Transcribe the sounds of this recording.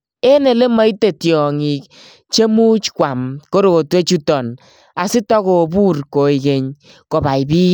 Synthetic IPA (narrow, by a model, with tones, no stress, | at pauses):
e˦ne˨le˦mɔ˨˦i˦te˨tjɔ˨ŋi˨k̚ | t͡ʃe˦mu˦t͡ʃkwa˨mko˦ɾo˨twe˦t͡ʃu˦tɔ˨n | a˨sɪ˦tɔ˦ko˨bu˦rko˨i˨ke˨ɲ | kɔ˨ba˨i˨bi˦